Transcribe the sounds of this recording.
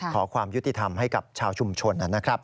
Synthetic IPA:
kʰɔː˩˦kʰwaː˧mju˦˥t̪ːi˨t̪ʰa˧mɦa˥˩jka˨˩p̚t͡ɕʰaː˧wt͡ɕʰu˧mt͡ɕʰo˧nʔa˨˦nːa˦˥kʰɾa˦˥p̚

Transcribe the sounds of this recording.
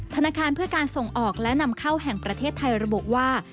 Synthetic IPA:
t̪ʰa˧naː˧˥kʰaː˧npʰɯ˥˩ɐkaː˧nso˨˩ŋʔɔː˨˩k̚lɛ˦˥na˧mkʰa˥˩wɦɛ˨˩ŋpɾa˧t̪ʰeː˥˩t̪ʰːa˧jɾa˧bu˨˩ʔwaː˥˩

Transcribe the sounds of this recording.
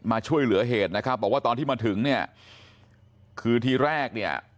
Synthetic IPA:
maː˧t͡ɕʰu˥˩əjlɯ˩˦ɐɦeː˨˩t̪̚na˦˥kʰa˦˥p̚bːɔː˨˩kwaː˥˩t̪ɔː˧t̪ʰiː˥˩ma˧t̪ʰɯ˩˦ŋni˥˩ɐ | kʰɯː˧t̪ʰiː˧ɾɛː˥˩k̚ni˥˩ɐ

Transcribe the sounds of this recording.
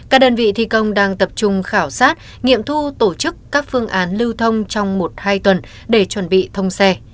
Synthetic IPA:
kaː˦˥k̚ɗəː˧nvḭ˧˨t̪ʰi˧˩kə˧wŋ͡mɗaː˧ŋt̪ə˨˩p̚t͡ɕʊ˧ŋ͡mxaː˧˩wsaː˦˥t̚ | ŋḭ˧˨əmt̪ʰu˧t̪o˧˩t͡ɕɨ˦˥kːaː˦˥k̚fɨ˧əŋʔaː˨˦nli˧wt̪ʰə˧wŋ͡mt͡ɕɔ˧wŋ͡mmo˨˩t̚haː˧jt̪wə˨˩n | ɗe˧˩t͡ɕwə˧˩nɓḭ˧˨t̪ʰə˧wŋ͡msɛ˧

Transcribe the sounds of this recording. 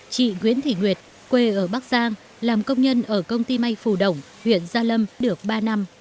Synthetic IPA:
t͡ɕḭ˧˨ŋwi˨˦ənt̪ʰḭ˧˨˩ŋwi˨˩ət̚ | kwe˧ʔəː˧˩ɓa˦˥k̚z̥aː˧ŋ | laː˨˩mkə˧wŋ͡mɲə˧nʔəː˧˩kə˧wŋ͡mt̪i˧ma˧jfu˨˩ɗə˧˩wŋ͡m | hwḭ˧˨ənzaː˧lə˧mɗɨ˨˩ək̚ɓaː˧na˧m

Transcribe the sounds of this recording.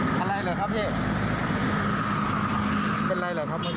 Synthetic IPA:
ʔa˧ɾa˧jlɤː˨˩jkʰa˦˥p̚ʔe˦˥˩ | pe˧nɾa˧jlɤː˨˩˦jkʰa˦˥p̚mɔ˥˩

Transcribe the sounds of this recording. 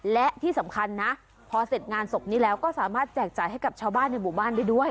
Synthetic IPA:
lɛ˦˥ʔt̪ʰiː˥˩sa˩˦mkʰa˧nːa˦˥ʔ | pʰɔː˧se˨˩t̪̚ŋaː˧nso˨˩p̚niː˦˥lɛː˦˥wkɔː˥˩saː˩˦maː˥˩t̪̚t͡ɕɛː˨˩k̚t͡ɕaː˨˩jɦa˥˩jka˨˩p̚t͡ɕʰaː˧wbaː˥˩nːa˧jmu˨˩baː˥˩nda˥˩jdu˥˩əj

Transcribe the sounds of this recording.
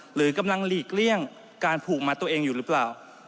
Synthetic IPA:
ɾɯː˩˦ka˧mla˧ŋliː˨˩k̚li˥˩əŋ | kaː˧npʰuː˨˩k̚maː˧t̪u˧əʔeː˧ŋjuː˨˩ɾɯː˦˥plaː˨˩w

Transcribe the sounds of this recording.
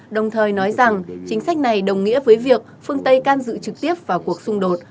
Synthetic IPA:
ɗə˨˩wŋ͡mt̪ʰəː˨˩jnɔ˨˦jza˨˩ŋt͡ɕï˨˦ŋ̟sa˦˥jk̟̚na˨˩jɗə˨˩wŋ͡mŋḭ˧˥əvəː˨˦jvi˨˩ək̚fɨ˧əŋt̪ə˧jkaː˧nzɨ̰˧˨t͡ɕɨ˨˩k̚t̪i˦˥əp̚vaː˨˩ku˨˩ək̚sʊ˧ŋ͡mɗo˨˩t̚

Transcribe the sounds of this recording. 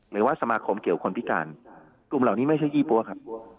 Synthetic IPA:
lɤ˨˩˦waː˥˩sa˧maː˧kʰo˧mki˨˩əwkʰo˧npʰi˦˥˩ka̰ː˧n | klu˨˩mla˨˩wniː˦˥ma˥˩t͡ɕʰa˥˩jiː˥˩pu˧˥ɐkʰa˦˥p̚

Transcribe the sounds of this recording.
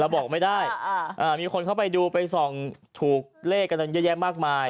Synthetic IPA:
ɾa˧wbɔː˨˩k̚ma˥˩jdaː˥˩jʔaː˧˩miː˧kʰo˧nkʰa˥˩wpa˧jduː˧pa˧jsɔː˨˩ŋt̪ʰuː˨˩k̚leː˥˩kːa˧a˧jɤ˦˥˩jɛː˦˥maː˥˩k̚maː˧j

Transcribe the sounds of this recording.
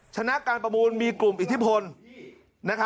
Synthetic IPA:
t͡ɕʰa˧na˦˥ʔkaː˧npɾa˧muː˧nmiː˧klu˨˩mʔi˨˩t̪ʰi˦˥pʰo˧n | na˦˥kʰa˦

